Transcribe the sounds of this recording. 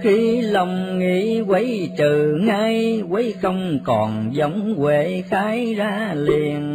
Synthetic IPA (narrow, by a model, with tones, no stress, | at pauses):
xi˧˦lə˧wŋ͡mŋḭ˧˥kwə˨˦jt͡ɕɨ˨˩ŋa˧jwə˨˦jxə˧wŋ͡mkɔ˨˩nzə˨˦wŋ͡mkwe˧˩xaː˨˦jzaː˧li˨˩˨ən